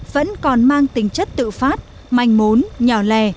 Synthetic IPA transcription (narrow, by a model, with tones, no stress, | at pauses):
və̰˧˥nkɔ˨˩nmaː˧ŋt̪ï˨˦ŋ̟t͡ɕə˦˥t̚t̪ɨ̰˧˨faː˦˥t̚ | ma˧jŋ̟mo˨˦nɲɔː˨˩lɛ˧˩